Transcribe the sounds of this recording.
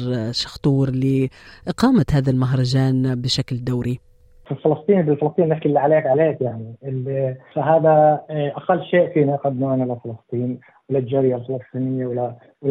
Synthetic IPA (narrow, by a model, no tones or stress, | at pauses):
ʃɑ̥xt̪ˤuːɾˤliʔɪqɑːmət̪hæːd̪almaɦɾˤɑʒaːnbɪʃakld̪awɾi | fɪlfɪlɑsˤt̪ˤiːnibɪlfɪlɑsˤt̪iːnːɪħkɪlːiʕaleːkʕaleːkjaʕniɪlfaɦaːd̪aʔaqɑlːʃeːʔfiːnaʔqɑd̪ːnuʔanalafɪlɑst̪ˤiːn | wɪlːad͡ʒaːɾɪjalfɪlɨsˤt̪ˤiːnɪjːawɪlːa | wl